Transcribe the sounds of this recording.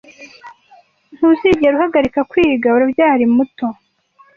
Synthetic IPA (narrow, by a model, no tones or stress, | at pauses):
n̥huziɟieɾuhaɡaɾikakwiːɡauɾabjaːɾimuto̞